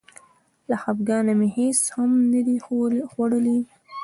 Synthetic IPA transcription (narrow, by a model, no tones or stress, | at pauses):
laxabɡɑnameheshamnad̪ixwaɽəli